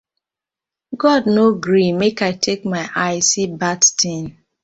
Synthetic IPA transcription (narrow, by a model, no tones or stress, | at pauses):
ɡɔdnoɡɾimekaɪtʰek̚maɪʔaɪsibadtʰĩn